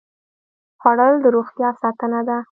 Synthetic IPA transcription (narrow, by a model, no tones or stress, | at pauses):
xwaɽəld̪əɾoxt̪jɑsɑt̪ənad̪a